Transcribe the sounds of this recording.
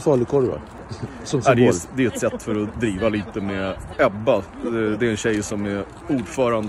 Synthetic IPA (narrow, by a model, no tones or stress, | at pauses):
fɑlɪkʰɔɾva̰ | sɔmsad̪ɛd̪ɛɛt̪sɛt̪ːfœɾɔd̪ɾiːvaliːt̪əmeɛbːa | d̪ɛɾɛnɕɛjsɔmæɾ | uːɖfœːɾand̪